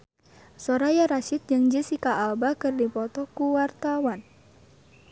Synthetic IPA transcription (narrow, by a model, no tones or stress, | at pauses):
sɔɾajaɾaʃɪt̪̚d͡ʒɨŋd͡ʒisikaʔːlbakɨrdipɔt̪ɔkuwart̪awan